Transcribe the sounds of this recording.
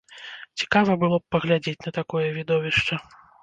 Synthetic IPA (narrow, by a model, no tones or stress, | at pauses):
t͡sʲi̥kavɐbɨlˠɔp̚pɐɣlʲad͡zʲet͡sʲnɐt̪akɔjɛvʲid̪ɔvʲiʂt͡ʂɐ